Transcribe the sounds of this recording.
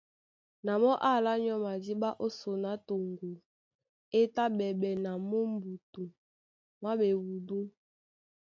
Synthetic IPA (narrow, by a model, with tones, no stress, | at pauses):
na˨mɔ˦ʔa˦˨la˦ɲɔ˦ma˨di˦ba˦ʔo˦so˨na˦to˨ŋɡu˨ | e˦ta˦bɛ˨ɓɛ˨na˨mo˦mbu˨tu˨ | ma˦ɓe˨wu˨du˦